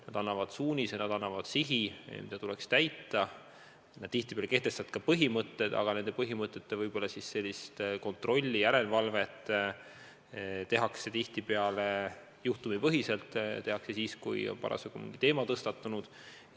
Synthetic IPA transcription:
nɑd̪̥ɑnːɑvɑd̪̥suːnʲisenɑd̪̥ɑnːɑvɑd̪̥siɦḭmid̪ɑt̪ulekst̪æjt̪ːˑɑ | nɑd̪̥̚t̪iht̪ipeɑleke̞ht̪e̞st̪ɑd̪kɑpɤɦimɤt̪ˑːe̞d̪̥ɑ̰ɡ̥ɑne̞nd̪e̞pɤɦimɤt̪ːˑe̞t̪ːevɤjb̥o̞lːɑsisse̞lʲːist̪ko̞nt̪ro̞lʲːijæɾe̞lvɑlve̞t̪ːˑ | t̪e̞ɦɑkse̞t̪iht̪ipeɑle | juht̪umipɤɦise̞lt̪ːˑt̪e̞ɦɑksesiːskṵjo̰npɑ̰ɾʔɑ̰seɡ̥umḭŋɡ̥it̪e̞ːmɑt̪ɤst̪ɑt̪ːˑunud̪̥

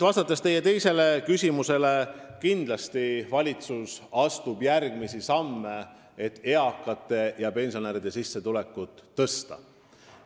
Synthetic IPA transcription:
vɑst̪ɑt̪ːˑɑst̪e̞jːe̞t̪e̞jse̞le̞kysʲimuse̞le̞kind̪̥lɑst̪ivɑlʲit̪susɑst̪ubjærɡ̥misisɑmːe | e̞t̪ːe̞ɑkːˑɑt̪ːˑe̞jɑpe̞nsioneɾid̪̥e̞sisːe̞t̪ule̞kːˑut̪ːɤ̞st̪ɑ̰

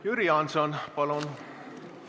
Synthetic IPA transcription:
jyɾiɑnsonpɑlun

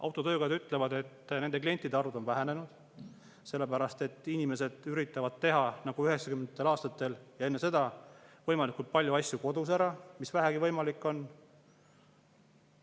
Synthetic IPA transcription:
ɑ̰wt̪ːˑo̞t̪ø̞ːkɑjɑd̪yt̪ːˑle̞vɑd̪e̞t̪ːne̞nd̪e̞klie̞nt̪ːˑid̪eɑɾud̪o̞nvæɦæne̞nud̪̥ | se̞lːepæɾɑst̪e̞t̪ːˑinʲime̞se̞d̪̥yɾit̪ːˑɑvɑd̪̥̚t̪e̞ɦɑnɑɡ̥uyɦe̞ksɑkymend̪t̪ːˑelɑːst̪ɑt̪ːˑe̞ljɑe̞nːe̞se̞d̪̥ɑvɤjmɑlikˑult̪̚pɑlʲjuɑsjuko̞d̪̥us̬æɾɑmisvæɦæɡivɤjmɑlikːˑo̞n

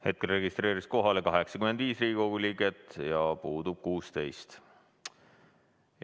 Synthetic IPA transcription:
he̞t̪̚kelre̞ɡist̪re̞ːɾisko̞ɦɑle̞kɑɦe̞ksɑkymend̪viːsriːɡiko̞ɡuliːɡe̞t̪jɑpuːd̪̥ub̥̚kuːst̪e̞jst̪

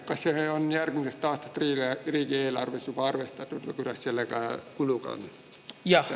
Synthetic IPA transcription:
kːɑsseheonjærkimsest̪t̪ɑːht̪ɑ̥t̪riːleɑerikieilɑrʋisjupɑɑrʋeht̪ɑt̪ut̪kɑ̰kylæsselːækæːkulukɑ̰n | jɑ

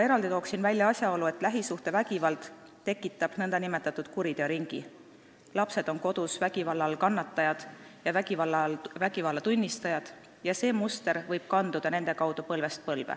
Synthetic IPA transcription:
mɑe̞ɾɑld̪it̪o̞ːksinvælʲjɑɑsʲjɑo̞lue̞t̪ːˑlæɦisuht̪e̞væɡ̥ivɑld̪̥ | t̪ːe̞kːˑit̪ːˑɑb̥nɤnd̪̥ɑnime̞t̪ːˑɑt̪ːˑud̪̥kuɾid̪̥eɑɾiŋɡ̥ḭ | lɑpse̞d̪̥o̞nko̞d̪̥usvæɡ̥ivɑlːɑlkɑnːɑt̪ːˑɑjɑd̪̥jɑvæɡ̥ivɑlːɑlvæɡivɑlːɑt̪unʲːist̪ɑjɑd̪̥ | jɑse̞ːmust̪e̞ɾvɤjb̥̚kɑnd̪ud̪̥ɑne̞nd̪̥e̞kɑwd̪̥upɤ̞lve̞st̪̚pɤlvḛ

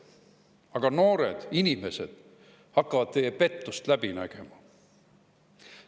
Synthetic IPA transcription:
ɑɡ̥ɑno̞ːɾed̪̥inʲime̞se̞d̪̥ | hɑkːɑvɑd̪̥̚t̪e̞jːepe̞t̪ːˑust̪læb̥inæ̰ɡ̥e̞̰mɑ

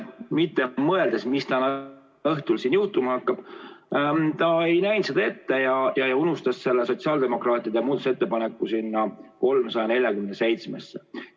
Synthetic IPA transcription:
mit̪ːemɤe̞ld̪e̞smist̪ɑnɑ | ɤht̪ulsinjuht̪umɑɑkːɑb̥ | t̪ɑe̞jnæjnsed̪ɑe̞t̪ːe̞jɑjɑejunust̪ɑsse̞lːeso̞t̪siɑːld̪̥emo̞krɑːt̪ːˑid̪emuːd̪ɑ̥se̞t̪ːe̞pɑne̞kːusinːɑko̞lmsɑjɑne̞lʲjɑkymenese̞jt̪smḛsːe

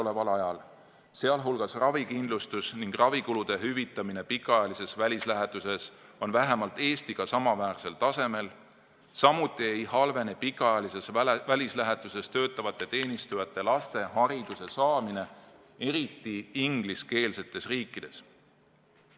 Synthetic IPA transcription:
ole̞vɑlɑjɑl | se̞ɑlɦulɡ̥ɑsrɑvikind̪lust̪usniŋɡ̥rɑvikulud̪̥e̞ɦyvit̪ːˑɑmine̞pikːˑɑɑjɑlise̞svælʲislæɦet̪use̞so̞nvæɦe̞mɑlt̪ːˑe̞ːst̪iɡ̥ɑsɑmɑvæːrse̞lt̪ɑse̞me̞l | sɑmut̪ːˑie̞jhɑlve̞nepikːˑɑjɑlise̞svælʲislæɦe̞t̪ːˑuse̞st̪ø̞ːt̪ːˑɑvɑt̪ːˑe̞t̪e̞ːnist̪ujɑt̪ːˑe̞lɑst̪e̞hɑɾid̪̥use̞sɑːmine̞ | e̞ɾit̪ːˑiiŋɡ̥liske̞ːlse̞t̪ːˑe̞sriːkːˑid̪̥e̞s

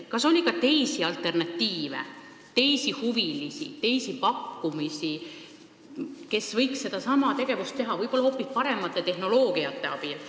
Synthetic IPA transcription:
kɑso̞lʲːikɑt̪e̞jsiɑlt̪ːˑe̞rnɑt̪ːiːve̞̰ | t̪e̞jsihuvilisḭt̪e̞jsipɑkːumisi | ke̞svɤjksːe̞d̪̥ɑsɑmɑt̪e̞ɡ̥e̞vust̪t̪e̞ɦɑvɤjpo̞lːɑhopːˑispɑɾe̞mːɑt̪ˑːe̞t̪e̞hno̞lo̞ːɡ̥iɑt̪ːˑe̞ɑb̥il

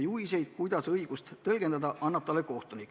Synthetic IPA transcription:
juis̬e̞jd̪̥kujd̪ɑsɤjɡ̥ust̪t̪ːɤlɡ̥e̞nd̪ɑd̪ɑʔɑnːɑb̥̚t̪ɑlːeko̞ht̪unikːˑ

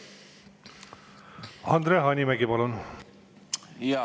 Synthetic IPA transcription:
hʌnd̪ɾʌɦʌnimakebʌlʌwnu

